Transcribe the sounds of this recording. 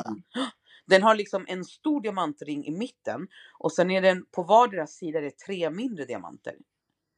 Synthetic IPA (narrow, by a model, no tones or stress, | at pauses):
d̪ɛnɦaɭɪksɔmʔɛnst̪uːɖɪamant̪ɾɪŋːʔɪ̰mɪt̪ːə̰nʔɔsɛnːæɖɛnpʰɔvɑːɖeːɾasːiːd̪aɾɛt̪ʰɾeːmɪnd̪ɾəd̪ɪa̰ma̰nt̪ʰə̰ɾ